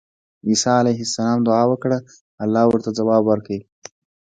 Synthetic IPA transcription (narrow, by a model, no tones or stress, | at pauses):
iːsɑalajɦɪsːalɑmd̪ʊʕɑːwəkɽa | alːɑːwəɾt̪ad͡zawɑːbwəɾkəwi